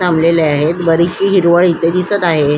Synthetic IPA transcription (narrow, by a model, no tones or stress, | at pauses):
amleleaɦet̪bəɾiɕiːɦiɾʋəɭit̪ed̪isət̪aɦe